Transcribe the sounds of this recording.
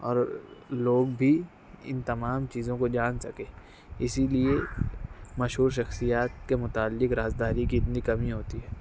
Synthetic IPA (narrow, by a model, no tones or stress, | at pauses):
ɔ̰ːɾloːɡbʱi | ɪ̰nt̪ɐmaːmt͡ʃiːzõkod͡ʒaːnsɐkẽː | ɪsilie | mɐʃɦuːɾʃ̬ɐxsijaːt̪̚kemʊt̪aːlːɪkɾaːzd̪aːɾikiɪt̪nikɐmiɦoːt̪iɦɛː